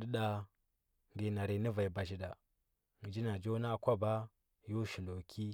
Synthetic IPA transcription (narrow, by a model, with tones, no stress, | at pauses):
də˦ɗa˨ | ŋɡi˨na˨ɾi˨˦ni˦va˨i˨ba˨ʃi˨da˨ | ŋi˨d͡ʒi˦na˨d͡ʒo˦na˦˨kʷa˦ba˦ | jo˦ʃi˨lo˨kʰi˦